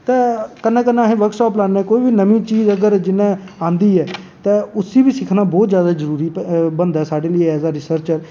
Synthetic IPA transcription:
t̪ẽːkənːẽːkənːẽːɦẽːʋəɾksɔːplaːnːɛ̃ːkoːiːbiːnəmĩːt͡ʃiːzəɡəɾd͡ʒɪnːẽː | ãːnd̪iːɛː | t̪ẽːʊsːiːbiːsɪkʰnaːbɔːt̪zjaːd̪aːzəɾuːɾiːbənd̪ɛːsaːɖeːləɛːzaːɾɪsəɾt͡ʃəɾ

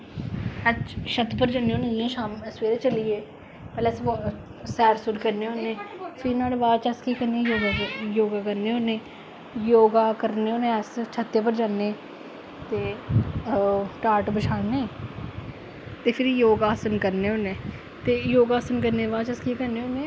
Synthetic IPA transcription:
ət͡ʃʃʰət̪pəɾd͡ʒaːneːoːneĩɛ̃ːʃaːmsʋeːɾeːt͡ʃəlieː | pɛːleːs | sɛːɾsʊɾkəɾneːɦoːneːpʰinaːɽeʋaːt͡ʃəskiːkəɾnẽːjoːɡajoːɡaːkəɾneːoːnẽː | joːɡaːkəɾneːoːnẽːɛst͡ʃʰət̪ːeːpəɾd͡ʒaːnːẽː | t̪eː | ʈaːɾʈbət͡ʃʰaːnẽː | t̪eːpʰɪɾjoːɡaːsənkəɾneːoːnẽː | t̪eːjoːɡaːsənkəɾneːʋaːt͡ʃəskiːkəɾneːɦoːnẽː

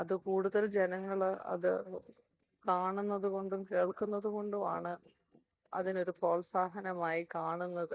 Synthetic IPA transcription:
ɐðɨkuːɽuðɐld͡ʑe̞nɐŋːɐɭɐ̰ðɨ | kaːɳunːɐðuko̞ɳɖumkeːɭkunːɐðuko̞ɳɖuma̰ːɳɨ | ɐ̰ðino̞ɾupo̞ːlsaːɦɐnɐmaːjikaːɳunːɐðɨ

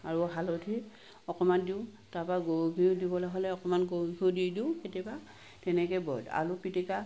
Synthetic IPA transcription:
aɹuɦalotʰi | ɔkɔmandiʊ̃tapaɡoɡʱidibɔlaɦɔlɛɔkɔmanɡoɡʱididiʊ̃ketiaba | tɛnɛkɛbɔda̰lupitika

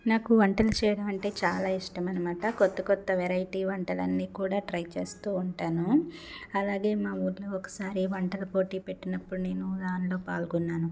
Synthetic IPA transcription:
naːkuʋɐɳʈɐlɐt͡ʃɛːjɐɽɐmɐɳʈe̞ːt͡ʃaːlaːiʂʈɐmɐnɐmaːʈɐkɔt̪ːɐkɔt̪ːɐʋɛɾɐjʈiːʋɐɳʈɐlɐ̰nːiːkuːɽaːʈɾɐjt͡ʃe̞ːst̪uːuɳʈaːnu | ɐlaːɡe̞ːmaːuːɾlɐːɔkɐ̥saːɾiʋɐɳʈɐlɐpo̞ːʈiːpe̞ʈːinɐpːuɽune̞ːnud̪aːnilo̞ːpaːlɡɔnːaːnu

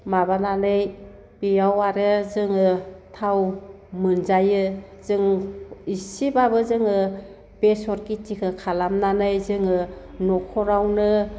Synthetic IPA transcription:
mabananɯj | b̥ijawaɾɯzɯŋɯtʰaw | mɯnzajɯ | zɯŋisibabɯzɯŋɯ | b̥esɔɾkitikʰɯkʰalamnanɯjzɯŋɯnɔkʰɔɾawnɯ

